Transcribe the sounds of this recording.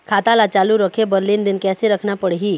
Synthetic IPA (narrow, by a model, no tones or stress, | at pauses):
kʰaːt̪alat͡ʃaːluɾəkʰebəɾlind̪ɪnkɛːseɾəkʰnapəɽɦi